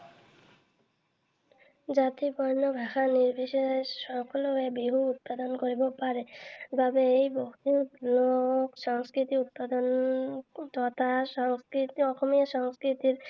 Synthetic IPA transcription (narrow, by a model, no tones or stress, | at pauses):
d͡ʑat̪ipɔɾnobʱaxaniɾbʱiʃeʃɔkoloebiɦuut̪̚pad̪onkoɾibopaɾebabeejbokt̪inoʃɔŋskɾit̪iut̪̚pad̪on | t̪ɔt̪ʰaʃɔŋskɾit̪ɔxomiaʃɔŋskɾit̪iɾ